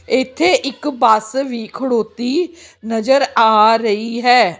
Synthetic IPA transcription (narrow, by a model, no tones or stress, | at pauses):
ɪt̪ʰːeːʔɪkbaːsʋiːkʰəɽoːt̪iːnəd͡ʒəɾaːɾəiːɦɛː